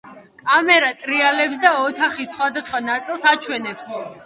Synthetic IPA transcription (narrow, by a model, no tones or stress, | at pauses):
kʼamɛɾat̪ʼɾialɛpsd̪aɔt̪ʰaχisːχwad̪asχwanat̪sʼilˠsat͡ʃʰwɛnɛps